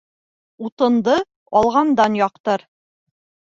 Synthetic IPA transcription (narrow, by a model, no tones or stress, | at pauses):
ut̪ɤ̆nd̪ɤ | ɒlˠʁɑnd̪ɑnjɒqt̪ɤɾ